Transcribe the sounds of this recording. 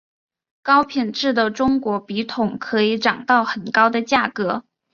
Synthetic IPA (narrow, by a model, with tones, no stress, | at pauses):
kɑ˥ʊpʰi˨˩nʈ͡ʂɻ̩˥˩d̪ə˩ʈ͡ʂʊ˥ŋkwɔ˧˥pi˧˥t̪ʰʊ˨˧˩ŋkʰɤ˧˥i˧˥ʈ͡ʂɑ˨˩ŋt̪ɑ˥˩ʊxə˨˩nkɑ˥ʊd̪ə˨t͡ɕja˥˩kɤ˧˥